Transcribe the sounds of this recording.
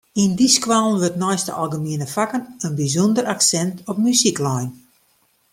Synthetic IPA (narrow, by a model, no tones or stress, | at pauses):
indiskwalˠnʋøtnɔjstə̰ʔa̰lˠɡəmiənəfakənənbizɔndəɾaksɛntɔp̚mysiklɔjn